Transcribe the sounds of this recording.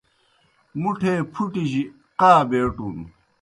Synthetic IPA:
muʈʰepʰuʈiɕi | qaːbeːʈun

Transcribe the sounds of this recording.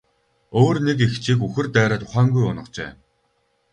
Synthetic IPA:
oːrnek̬ext͡ɕʰiːkuxɘ̆rt̪æːɾaːt̪ʰʊ̥χæːŋɡujʊnə̆qt͡ɕḛː

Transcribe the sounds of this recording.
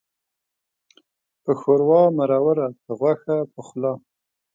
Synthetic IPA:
pəxoɾwɑmaɾɑwaɾapəɣwaxapəxlɑ

